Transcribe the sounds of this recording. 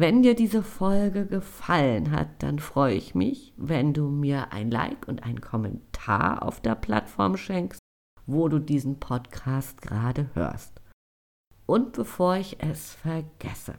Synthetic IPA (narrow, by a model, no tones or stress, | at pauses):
vɛndiːɐdiːzəfɔlɡəɡəfalənɦa̰t̚d̥a̰nfʁ̥ɔʏəɪçmɪçvɛnduːmiːɐʔa̰ɪnla̰ɪkʊntʔa̰ɪnkʰɔmɛ̰ntʰa̰ːɐʔa̰ʊfd̥eːɐpl̥a̰tfɔɐmʃɛŋkst | voːduːdiːzn̩pʰɔtkʰaːst̚ɡ̥əʁaːdəhø̰ːɐst | ʔʊnt̚b̥əfoːɐɪçʔɛsfɛɐɡ̥ɛ̰sə̰